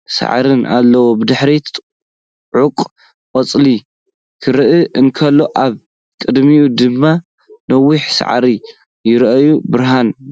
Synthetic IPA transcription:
sa̰ʕ̰ɾɨna̰lːɐwobɨd̪ɨħɾi | ʕukʼ | qʼɐt͡sʼli | kʰɨɾɨʔɨʔɨnkʰɐlːo̞ʔaβ | kʼɨd̪miud̪ɨmːa | nɐwːiħsa̰ʕɾi | jɪɾʔɐjubɨɾɦan

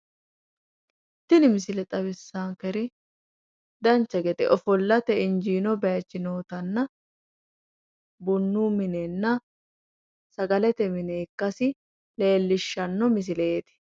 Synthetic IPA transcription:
t̪ːɪnɪmɪsɪlɛt̪ʼɐβɪsːaːŋkɛɾɪ | d̪ɐnt͡ʃːɐɡɛt̪ɛ̰ʔɔfɔlːɐt̪ɛɪnd͡ʒiːnɔbɛjɐt͡ʃːɪno̞ːt̪ɐnːɐ | bʊnːuːmɪnenːɐ | sɐɡɐlɛt̪ɛmɪneːkːɐsɪ | le̞ːlːɪʃːɐnːɔmɪs̬ɪleːt̪ɪ̥

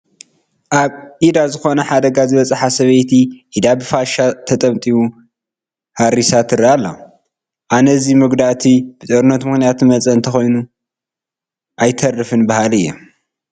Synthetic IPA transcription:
ʔaβʔid̪azɨxo̞nɐħad̪ɐɡazɨβɐt͡sʼħasɐβɐjt̪ʰiʔid̪abɨfaʃat̪ʰɐt̪ʼɐmt̪ʼiwu | haɾisat̪ʰɨɾialːo̰ | ʔanɐzimɨɡd̪aʔt̪ʰib̥ɨt̪ʼɐɾɨnːɐt̪mɨxnijat̪mɐt͡sʼɐɨnt̪ʰɐxo̞jnu | ʔajt̪ʰɐrːɨfɨnbahalɨjːo̰

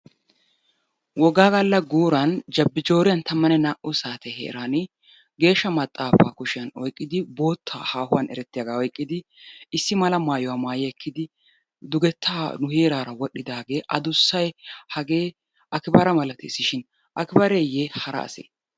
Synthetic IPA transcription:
wɔɡaːɡɐlːɐɡuːɾɐnd͡ʒɐbːɪd͡ʒo̞ːɾɪjɐnt̪ɐmːɐnɛnaːʔʊsaːt̪ɛhḛːɾaːnɪ | ɡe̞ːʃːɐmɐt̪ʼːaːfa̰ːkʊʃɪjɐnɔjkʼːɪd̪ɪbo̞ːt̪ʰːa̰ːhaːhʊwɐnɛ̰ɾɛt̪ːɪjɐɡaːɔjkʼːɪd̪ɪɪsːɪmɐlɐmaːjɔwaːmaːjɛɛkʰːɪd̪ɪ | d̪ʊɡɛt̪ʰːaːnʊhe̞ːɾaːɾɐwɔɗːɪd̪aːɡe̞ːʔɐd̪ʊsːɐjhɐɡe̞ː | ɐkɪbɐɾɐmɐlɐt̪ɪɪsːɪʃɪn | ʔɐkɪbɐɾeːjeːhɐɾɐ̰ɐ̰sḛː

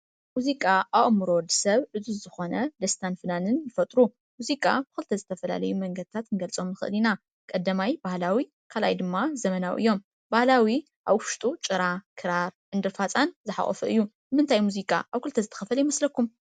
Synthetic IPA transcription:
muzikʼaaβɨmɨɾo̞d̪sɐβʔɨzuzɨxo̞nɐd̪ɐst̪ʰanfɨnanɨnjɨfɐt̪ʼɾu | muzikʼa̰bɨxɨlt̪ʰɐzɨt̪ʰɐfɐla̰lɐjumɐŋɡɐd̪̚ɨt̪ʰat̪ɨŋɡɐlt͡sʼo̞mnɨxɨ̰ʔɨlina | kʼɐd̪ːɐmajbahlawi | kʰala̰jd̪ɨmːazɐmɐnawʔɨ̰jːo̞m | bahlawi | ʔaβʊʃt̪ʼut͡ʃʼɨɾakʰɨɾaɾʔɨnd̪ɨɾfat͡sʼanzɨħa̰χʼɔ̰fɐɨjːubɨmɨnt̪ʰajmuzikʼa̰ʔaβkɨlt̪ʰɐzɨt̪ʰɐ̥xɐfɐljimɐslɐkːum

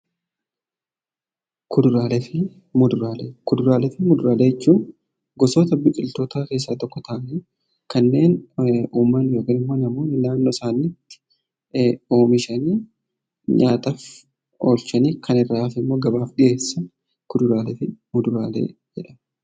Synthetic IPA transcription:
kʊd̪ʊɾaːlɛfɪ | mʊd̪ʊɾaːlekʊd̪ʊɾaːlɛfɪmʊd̪ʊɾaːleːjɛt͡ʃːuːn | ɡɔsoːt̪ɐbɪkʼɪlt̪oːt̪aːke̞ːs̬ːaːt̪ɔkːɔt̪ʰɐʔɐniː | kɐnːe̞ːnuːmːɐnjoːkɐnɪmːo̞ːnɐmo̞ːnɪnaːnːoːsaːniːt̪ːɪ̥ | o̞ːmɪʃɐniː | ɲaːt̪af | o̞ːlt͡ʃɐniːkʰɐnɪrːaːfɪmːo̞ːɡɐbaːfɗɪʔe̞ːsːɐn | kʊd̪ʊɾaːlɛfɪmʊd̪ʊɾaːlḛːd͡ʒɛᶑɐ

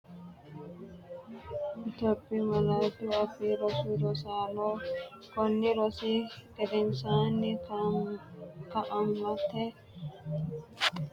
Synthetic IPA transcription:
ɪt̪opːimɐlaːd̪uɐfiɾɔsiɾɔsaːloː | kɔnːɪɾɔsiːkɛd̪ɛnsaːnːɪk | kɐʔɐŋlɐt̪ːɛ

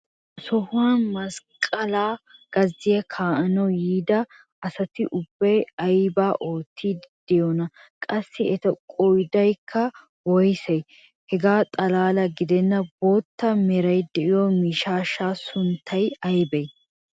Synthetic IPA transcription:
sɔhʊwaːnmɐskʼɐlaːɡ̥ɐzːɪjɐkʰaːʔɐnɔjiːd̪ɐ | ɐsɐt̪ɪʔʊbːɐjɐjbaːʔoːt̪ʰːiːd̪d̪̥ɛjɔnɐ | kʼɐsːɪɛt̪ɐkʼɔjd̪ɐjkʰːɐ | wɔjsɛj | hɛɡaːt̪ʼɐlaːlɐɡɪd̪ɛnːɐbo̞ːt̪ːɐmɛɾɐjd̪ɛʔɪjɔmiːʃaːʃaːsʊnt̪ʰːɐjɐjbɛj

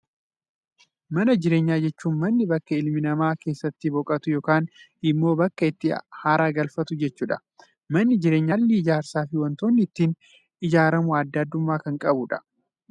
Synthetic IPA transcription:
mɐnɐd͡ʒɪɾe̞ːɲːaːd͡ʒɛt͡ʃːuːnmɐnːɪbɐkːɐɪlmɪnɐmaːkeːsːɐt̪ːɪbɔkʼɐt̪ʊjo̞ːkaːn | ɪmːo̞ːbɐkːɐɪt̪ːɪhaːɾaːɡɐlfɐt̪ʊd͡ʒɛt͡ʃːuːᶑɐ̥ | mɐnːɪd͡ʒɪɾe̞ːɲːaːlːɪɪd͡ʒaːɾsaːfɪwɔnt̪o̞ːnːɪɪt̪ːiːn | ɪd͡ʒaːɾɐmʊɐd̪ːad̪ːʊmːaːkɐŋkʼɐbʊᶑɐ̥

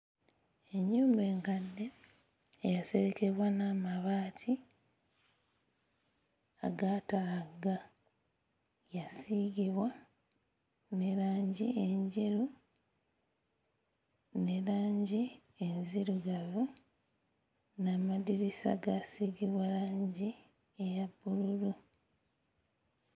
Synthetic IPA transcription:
e̞ɲːuːmbe̞ːŋkadːe̞ː | jase̞ɾeke̞βwanamaβaːtʰi | a̰ɡatalaɡa | jasiɡiβwa | neɾaːɲɟieɲɟeɾu | neɾaːɲɟi | enziɾuɡaβu | namadiɾisa̰ɡasiɡiβwaɾaːɲɟi | ejabːululu

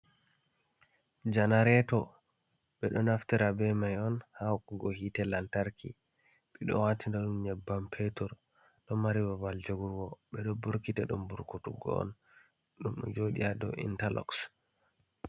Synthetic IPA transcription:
d͡ʒanaɾɛtɔ | ɓɛɗɔnaftiɾabɛmajɔnhakɔɡɔhitɛlantaɾkḭ | ɓɛɗɔ̰watindɔɗumɲɛbːampʰetɔɾ | ɗɔmːaɾiwavald͡ʒoɡuɡɔɓɛɗɔbuɾkitɛɗumbuɾkutuɡɔ̰ɔ̰n | ɗumɗɔ̰d͡ʒoɗḭadɔ̰ʔḭntalɔ̰ks

